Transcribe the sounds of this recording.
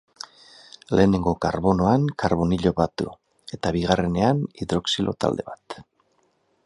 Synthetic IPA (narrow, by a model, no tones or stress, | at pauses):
le̞ːne̞ŋɡokaɾβo̞no̞aŋkaɾβo̞niʎo̞βat̪ṵ | e̞t̪aβiɣ̞are̞ne̞aniðɾo̞ksilo̞̰t̪a̰ld̪e̞̰βat̪